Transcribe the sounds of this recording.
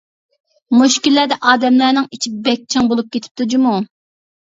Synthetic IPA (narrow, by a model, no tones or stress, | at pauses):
muʃkʲilːæd̪ɛʔɑːd̪ɛmlænɪŋit͡ʃʰibɛk̚ʲt͡ʃʰɪŋbolˠup̚kʲet̪ʰɪ̥p̚t̪ʰud͡ʒɪmu